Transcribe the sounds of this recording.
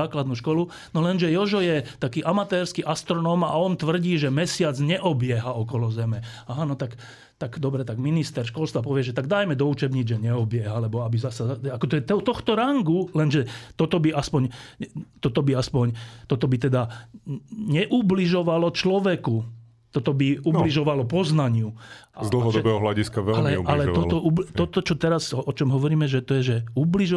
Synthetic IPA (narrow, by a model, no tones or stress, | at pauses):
aːklad̪nuʃkɔlu | nɔlɛnʒɛjɔʒɔjɛt̪akiːʔamat̪ɛːɾskiʔast̪ɾɔnɔːmaɔnt̪ʋr̩ɟiːʒɛmɛsɪad͡zɲɛʔɔbɪɛɦaɔkɔlɔzɛmɛ | aɦanɔt̪ak | t̪aɡd̪ɔbɾɛt̪aɡminist̪ɛɾʃkɔlst̪ʋapɔʋɪɛʒɛt̪aɡ̚d̪ajmɛd̪ɔuːt͡ʃɛbɲid͡zʒɛɲɛɔbɪɛɦalɛbɔabizasaaakɔt̪ɔjɛt̪ɛt̪ɔxt̪ɔɾaŋɡulɛnʒɛt̪ɔt̪ɔbiaspɔɲt̪ɔt̪ɔbiaspɔɲt̪ɔt̪ɔbit̪ɛd̪a | ɲɛʔubliʒɔʋalɔt͡ʃlɔʋɛku | t̪ɔt̪ɔbiubliʒɔʋalɔpɔznaɲɪuazd̪l̩ɦɔd̪ɔbɛɦɔɦlaɟiskaʋɛlalɛualɛɔlt̪ɔʔubt̪ɔt̪ɔt͡ʃɔt̪ɛɾazɔt͡ʃɔmɦɔʋɔɾiːmɛʒɛt̪ɔjɛʒɛubliʒɔ